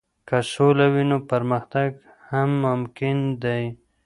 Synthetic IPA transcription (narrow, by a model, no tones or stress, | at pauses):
kasolawinopaɾməxt̪aɡ | hamːʊmkɪnd̪aj